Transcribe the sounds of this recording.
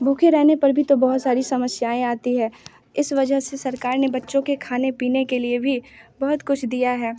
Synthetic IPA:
bʱuːkʰeɾɛɦnepɐɾbʱit̪obɐɦʊt̪saːɾisɐməsjaːẽaːt̪iɦɛː | ɪsʋɐd͡ʒəɦsesɐɾkaːɾnebɐtːʃõkekʰaːnepiːnekeliebʱibɐɦʊt̪kʊt͡ʃʰd̪ijaɦɛː

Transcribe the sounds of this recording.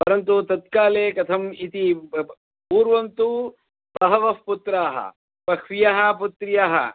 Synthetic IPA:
pɐɾɐnt̪ut̪ɐt̪kaːleːkɐt̪ʰɐmit̪i | puːɾʋɐnt̪u | t̪ɐɦɐʋɐfput̪ɾaːɦɐ̰ | pɐkʰʋijaɦɐ̆put̪ɾijaːɦɐ̰

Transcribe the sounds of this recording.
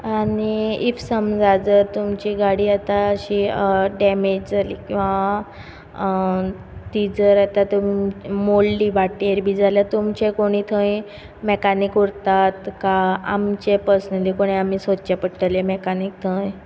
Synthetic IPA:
aniifsəmd͡zad͡zəɾt̪umt͡ɕiɡaɽiːat̪aəɕiɖɛmed͡ʑd͡zʱalḭːkĩw̃ʋa | t̪id͡zəɾat̪at̪molːiːbaʈeɾbʱiːd͡zʱaljat̪umt͡ɕẽkoɽ̃iːt̪ʰə̃j | mekanikuɾt̪at̪kaa̰mt͡ɕepəɾsnəlikoɽ̃eamiːsod̪t͡ɕepəʈʈəlemekanik̚t̪ʰə̃j

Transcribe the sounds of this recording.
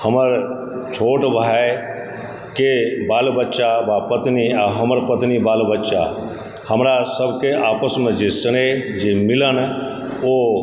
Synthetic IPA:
həməɾ | t͡ʃʰoːʈbʱae | kebaːlbətːʃaʋapət̪niaɦəməɾpət̪nibaːlbətːʃa̰ | həmɾasəbʱkeʔaːpəsmẽd͡ʒesəɽ̃ed͡ʒemɪləñ | o

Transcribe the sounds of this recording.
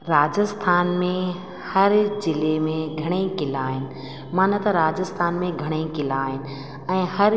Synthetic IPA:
ɾaːd͡ʑəst̪ʰaːnmẽ | hɐɾd͡ʑɪlemẽɡʱɐɽ̃ekɪlaːɦɪnɪ̆ | maːnət̪ɐɾaːd͡ʑəst̪ʰaːnmẽɡʱɐɽ̃eikɪlaːɦɪnɪ̆ | ɛ̃ːhɐɾ

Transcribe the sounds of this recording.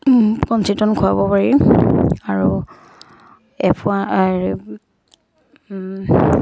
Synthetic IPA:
kɔnsitɔnkʰʊabɔpaɹi | aɹu | ɛpʰʊa

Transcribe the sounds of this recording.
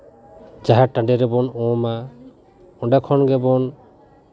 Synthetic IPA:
d͡ʒaɦaʈãɳɖɛɾɛbɔnɔ̃ma | ɔ̃ɳɖakʰɔnɡɛbɔn

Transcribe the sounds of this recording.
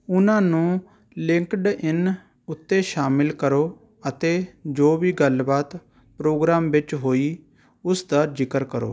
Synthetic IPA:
ʊnãːnũː | lɪŋkɖɪn | ʊt̪ːeːʃaːmɪlkəɾoː | ət̪eːd͡ʒoːʋiːɡəlbaːt̪ | pɾoːɡɾaːmʋɪt͡ʃɦoːiː | ʊsd̪aːd͡ʒɪkəɾkəɾo̰ː

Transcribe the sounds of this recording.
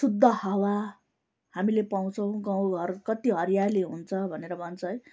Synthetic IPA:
sud̪ʱːʌhʌwa | hamilepaw̃t͡sʰʌw̃ɡaw̃ɡʱʌrkʌt̪iɦʌɾjaliɦunt͡sʰʌbʱʌneɾʌbʱʌnt͡sʰʌj

